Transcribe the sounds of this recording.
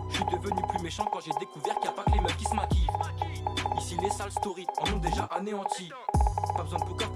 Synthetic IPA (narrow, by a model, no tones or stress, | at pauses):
əsid̪əvənyplymeʃɑ̃kɑ̃ʒed̪ekuvɛʁkʲijapakəlemɛt̪kʲisɔ̃mak̪ʲiv | isilesalst̪ɔʁiɔ̃nɔ̃d̪eʒa̰ʔaneɑ̃t̪ʰĩ | pabəzwɛ̃d̪əpukɔ